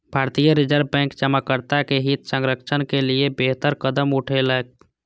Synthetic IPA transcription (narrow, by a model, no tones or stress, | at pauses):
bʱaːɾt̪ijəɾɪd͡ʒəɾbɛ̃ːŋkd͡ʒəməkːəɾt̪akeɦɪt̪sə̃ŋɡɾəkʃʰənkeliebeɦt̪əɾkəd̪əmʊʈʰelək̚